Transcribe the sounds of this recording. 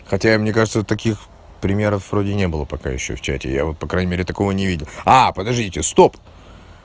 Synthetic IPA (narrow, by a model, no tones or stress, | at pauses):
xɐtʲamnʲekaʐɨt̪sət̪ɐkʲix | pɾʲɪmʲe̞ɾəfvro̞dʲɪnʲe̞bɨlˠəpɐka̰jɪ̰ɕːo̰ft͡ɕæ̰tʲɪ̰ja̰vot̪̚pɐkɾajnʲɪmʲeɾʲɪt̪ɐko̞vənʲɪvʲidʲɪlˠapəd̪ɐʐdʲitʲɪst̪o̞p